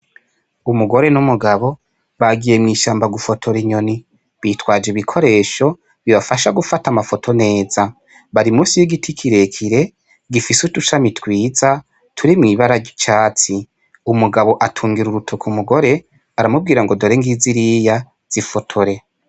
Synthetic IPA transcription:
umuɡo̞ɾe̞numuɡaβo̞ | βaɡijemŋiːʃaːmbaɡufo̞tʰo̞ɾiɲo̞ni | βiːtwaːd͡ʒeβikʰo̞ɾe̞ːʃo̞ | βiβafaʃaɡufatamafo̞tʰo̞ne̞ːza | βaɾimuːsijiɡitʰikʰiɾe̞kʰiɾe̞ | ɡifisutuʃamitkwiːza | tʰuɾimŋiβaɾat͡ʃaːt͡si | umuɡaβo̞ʔatʰuːŋɡiɾuɾutʰokʰumuɡo̞ɾe̞ | aɾamub̚ɡiːɾaŋɡo̞doɾeːŋɡiziɾija | z̥ifo̞tʰoɾe̞

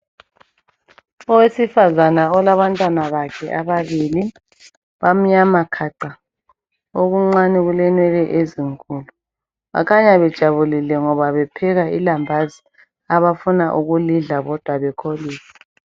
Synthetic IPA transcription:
ɔwesifazanaɔlaβantʼwanaβakʰɛʔaβaβili | βam̩ɲamakʰaǃa | oɣuŋ͡ǀaniɣulɛnwɛlɛʔeziŋkʰʼuːlu | βa̰kʰaɲaβɛd̥ʒ̥ʱaβulilɛŋɔβaβɛpʰɛɣailambʱazi | aβafunaʔuɣuliɮaɣɔd̥ʱwaβɛkʰoliːsḁ

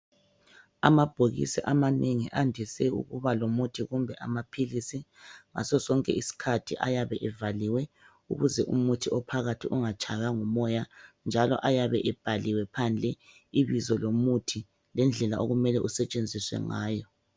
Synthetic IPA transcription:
a̰mab̥ʱoɣḭsiʔamaneŋiʔandʱisɛṵɣṵβalomutʰiɣumbʱɛʔamapʰilisiŋa̰sɔsɔŋkʼɛ̰ʔisi̥kʰatʰiʔa̰jaβɛʔɛvaliwɛ | ṵɣuzɛʔṵmutʰiɔpʰaɣatʰiʔuŋat͡ʃʼaɣaŋumɔjand͡ʒʱalɔ̰ʔajaβɛʔɛb̥ʱaliwɛpʰand͡ɮʱɛ | iβizɔlomutʰi | lɛnd͡ɮʱɛlaʔo̰ɣumɛlɛʔusɛt͡ʃʼend͡zʱiswɛ̰ŋaːjɔ

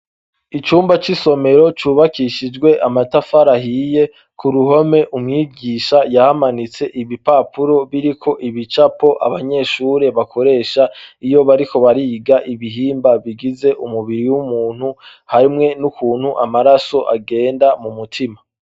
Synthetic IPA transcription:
it͡ʃuːmbat͡ʃiso̞me̞ɾo̞t͡ʃuːβakiʃid͡ʒɡwe̞ʔamatafaɾahije̞ | kʰuɾuɦo̞me̞ʔumŋiːɡiːʃajahamanit͡se̞ʔiβipapuɾo̞βiɾikʰo̞ʔiβit͡ʃapo̞ʔaβaɲe̞ʃuːɾe̞βakʰo̞ɾe̞ːʃaijo̞βaɾiko̞βaɾiːɡaʔiβiɦiːmbaβiɡize̞ʔumuβiɾiwumuːn̥huhaɾimŋe̞nukuːn̥huʔamaɾaso̞ʔaɡe̞ːndamumutʰima

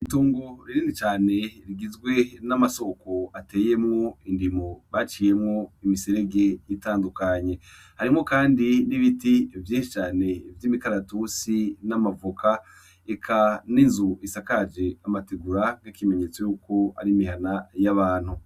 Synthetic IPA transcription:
iituːŋɡoɾiɾiːndit͡ʃaːne̞ɾiɡizɡwe̞namaso̞koate̞ːje̞mŋoindimoβat͡ʃiːje̞mŋoimiseɾe̞ɡe̞jitaːndukaɲe̞ | haɾimo̞kaːndiniβitivjiːʃit͡ʃaːne̞vjiːmikaɾatusinamavukʰa | ekʰaninzuisakad͡ʒe̞amateɡuɾaɡekime̞ɲe̞t͡so̞juːko̞a̰ɾimiɦanajaβaːn̥hu

